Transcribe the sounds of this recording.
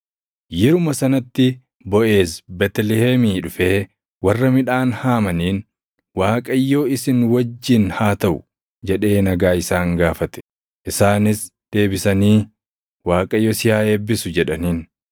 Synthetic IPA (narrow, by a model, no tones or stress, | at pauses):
jɛɾʊmɐsɐnɐt̪ːɪ | bɔʔe̞ːsbɛt̪ɛlɪheːmiːᶑʊfe̞ː | wɐrːɐmɪᶑaːnhaːmɐniːn | waːkʼɐjːo̞ːɪsɪnwɐd͡ʒːɪnhaːt̪ɐʔʊ | d͡ʒɛᶑe̞ːnɐɡaːɪsaːŋɡaːfɐt̪ɛ̥ | ʔɪsaːnɪsd̪̥e̞ːbɪsɐniː | waːkʼɐjːoːsɪjaːeːbːɪsʊd͡ʒɛᶑɐniːn